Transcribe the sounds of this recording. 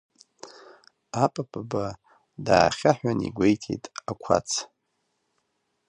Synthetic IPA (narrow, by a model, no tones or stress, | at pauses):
apʼapʼaba | daːχʲaħʷᶣanḭɡʷejtʰejtʼakʷʰa̰t͡sʰ